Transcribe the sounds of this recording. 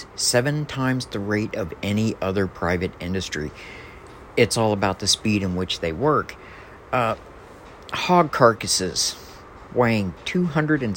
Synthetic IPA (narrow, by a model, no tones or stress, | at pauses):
sɛvɨ̃ntʰãɪ̃mzðɨɹeɪɾʌvɛniʔʌðə˞pʰɹ̥aɪvɨɾɪ̰̃ndɨstɹ̥ḭ | ɨtsɔlˠəbaʊt̪̚ðɨspiɾɨ̃nwɨt͡ʃðeɪwɜ˞k | hɑɡ̚kʰɑɹkɨsɪz̥ | weɪɪ̃ŋtʰʉɦʌ̃ndɹɨɾɨ̃n